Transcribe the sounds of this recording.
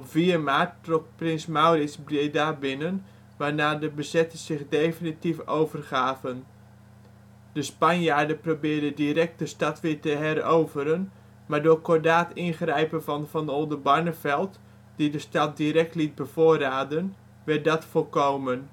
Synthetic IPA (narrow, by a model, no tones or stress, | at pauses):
ɔpv̥iːəmaːɹtːrɔkprɪnsmawrɪsbredabɪnən | ʋaːɹnaːdəbəzɛtəz̥ɪχdejfinitifowvərχaːvən | d̥əspanjaːɹdəprobɪːɹdədiɾɛk̚tdəstɑtʋɪːɹtəɦɛrowvəɾən | maːɹdʊːɹkɔdaːtɪnχrɛjpənvɑnvɑnolˠdəbɑɹnəfɛlˠt | d̥idəstɑt̚diɾɛk̚tlit̚bəvoːraːdən | ʋɛrt̚dɔtfɔlˠkowmən